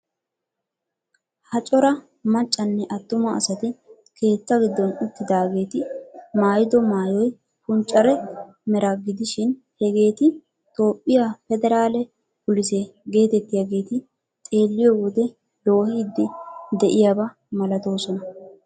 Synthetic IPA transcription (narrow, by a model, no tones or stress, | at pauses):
hɐt͡ʃʼɔɾɐ | mɐt͡ʃʼːɐnːɛʔɐt̪ːʊmɐɐ̰sɐt̪ɪ | kʰe̞ːt͡s̪ːɐɡɪd̪ːɔnʊt̪ːɪd̪aːɡe̞ːt̪ɪmaːjɪd̪ɔmaːjɔj | kʊnt͡ʃʼːɐɾɛ | mɛɾɐɡɪd̪ɪʃɪn | hɛɡe̞ːt̪ɪ | t̪o̞ːpʼːɪjafɛd̪ɛɾaːlɛ | pʊlɪseɡe̞ːt̪ɛt̪ːɪjaɡe̞ːt̪ɪ | t̪ʼe̞ːlːɪjɔwɔd̪ɛ | lo̞ːhid̪ːɪd̪ɛʔɪjabɐ | mɐlɐt̪o̞ːsɔnɐ